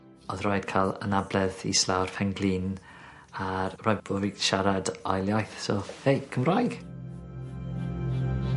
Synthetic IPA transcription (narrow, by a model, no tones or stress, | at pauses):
ɔðrɔɨd̥̚kʰalˠə̰nablɛðḭslˠawrfɛŋɡlˠin | arːaj̚bɔvɪɡ̥ʃaɾadɔ̰jlˠjajθsɔfejkʰːəmrajɡ̥